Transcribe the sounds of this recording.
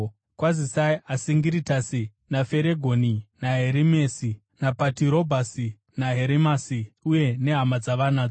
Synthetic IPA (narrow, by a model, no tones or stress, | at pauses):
kwazisaiasiŋɡiɾitasi | nafe̞ɾeɡʱoninaɦeɾimesi | napatiɾo̞bʱasi | naɦe̞ɾimasiuje̞ne̞ɦamad͡zaʋanaːd͡zo